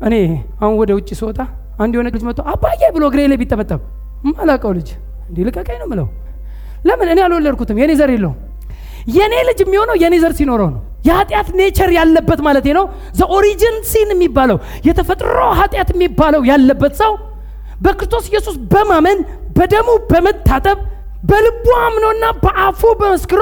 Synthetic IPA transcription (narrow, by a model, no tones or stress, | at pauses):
ʔɨne̞ahunwɔd̪əwʊt͡ʃʼːisot̪ʰʼa | and̪ihonəkʼlɨd͡ʒmət̪ʼːowabːajːajbɨloɡɨɾelabit̪ʼːəmət̪ʼːəm | ɨmːalakʼəwlɨd͡ʒ | ɨnd̪ilɨkʼəkʼəjnəmːɨlə̰w | ləmːɨnɨnealolːəɾkʰut̪ɨmjɛne̞zəɾelːə̰um | jɛne̞lɨd͡ʒɪmːiho̞nəwjɛne̞zəɾsino̞ɾəwnəw | jɛhat̪ʼjat̪ne̞t͡ʃʰɛɾjalːəbːət̪malət̪henəw | zəʔoɾid͡ʒɪnsinɛmːibːaləw | jɛt̪ʰəfət̪ʼɾə̰wɦat̪ʼjat̪ɪmːibːaləwjalːəbːət̪səw | bəkɨɾɨst̪ʰo̞sɪjːɛsusbəmamən | bəd̪əmubəmət̪ːat̪ʼəβ | bəlɨbːuamnəwɨnːabəʔafubəməskɨɾo